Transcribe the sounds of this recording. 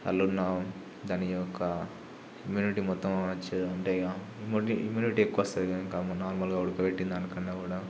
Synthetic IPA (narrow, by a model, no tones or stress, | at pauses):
ɐ̰lːunaː | d̪ɐːniɔkːɐ | imjuːniʈimɔt̪ːɐmɐnɐt͡ʃːed̪uɐɳʈeːɡa | imiimjuːniʈiekːuʋɐst̪ɐd̪kɐŋkɐmɐnaːɾmɐlkɐʋɐɽukɐbeʈːind̪aːnɐkːɐnːekuːɽa